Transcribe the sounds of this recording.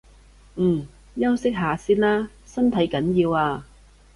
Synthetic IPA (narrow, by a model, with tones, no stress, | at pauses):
m̩ː˨˩ | jɐ˥wsɪ˥k̚ɦaː˨˧siː˥nlaː˥ | sɐ˥nt̪ʰɐ˨˥jkɐ˨˥njiː˧waː˧